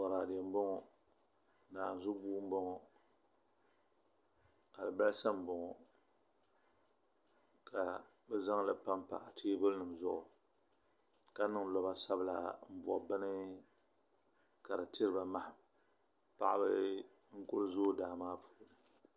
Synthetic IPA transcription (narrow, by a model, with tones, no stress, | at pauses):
bɔ˨ɾa˨de˨m̩˦bɔ˦ŋɔ˨ | naː˨n˨zʊ˦buː˦m̩˦bɔ˦ŋɔ˨ | ka˨lɨ˨ba˦sa˦m˨bɔ˨ŋɔ˨ | ka˨ | bɛ˦za˦ŋla˨pa˦mpa̰˨ʔa˨teː˦bʊ˦lnɨ˨mzʊ˦˨ʔɔ˨ | ka˦nɨ˦ŋ˦lɔ˨ba˨sa˦bɨ˦la̰˨m̩˦bɔ̰˨ʔbɨ˦nɨ˦ | ka˨ɾɨ˨ti˦ɾɨ˦ba˨ma˦h | pa̰˨ʔa˦bɨ˦ | ŋ̩˦kʊ˦lzoː˦daː˨maː˦pʰu̥˨˦˨nɨ˨